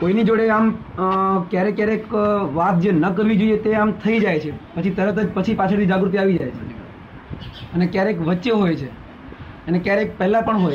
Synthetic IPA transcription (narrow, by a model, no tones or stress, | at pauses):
koinid͡ʒoɽeam | kjaɾekjaɾekʋat̪̚d͡ʒenəkəɾʋid͡ʒoijet̪eamt̪ʰəid͡ʒajt͡ʃʰepət͡ʃʰit̪əɾət̪ʰəd͡ʒpət͡ʃʰipat͡ʃʰəɽt̪ʰid͡ʒaɡɾut̪iaʋid͡ʒajt͡ʃʰe | ənekjaɾekʋətːʃeɦojt͡ʃʰe | ənekjaɾek̚pɛɦlãpəɳɦoj